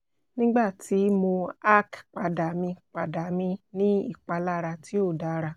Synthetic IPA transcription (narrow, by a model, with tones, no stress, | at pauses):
nĩ˦ɡ͡ba˦˨ti˨˦mo˧a˦kk͡pa˨da˨mĩ˧k͡pa˨da˨˦mĩ˧nĩ˦ḭ˦˨k͡pa˧la˦ɾa˧ti˦o˦˨da˨˦ɾa˧